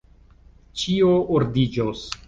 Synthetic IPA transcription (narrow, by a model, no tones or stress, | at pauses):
t͡ʃioʔuɾd̪id͡ʒos